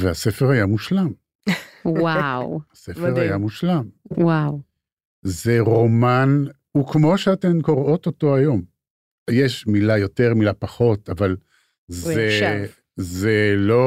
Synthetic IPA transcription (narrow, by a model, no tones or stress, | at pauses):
veasefeʁajamuʃlam | awasefeʁajamuʃlamwaw | zeʁo̞man | ukmo̞ʃeatemko̞ʁo̞toto̞ajo̞m | jeʃmilajo̞teʁmilapaχo̞taval | ze | zelo